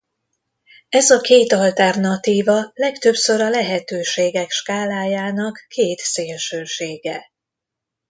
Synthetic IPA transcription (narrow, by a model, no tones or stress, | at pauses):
ɛzɒkeːt̪ɒlt̪ɛrnɒt̪iːvɒlɛkt̪ø̞psø̞ɾɒlɛɦɛt̪øːʃeːɡɛkʃkaːlaːjaːnɒkːeːt̪seːlʃøːʃeːɡɛ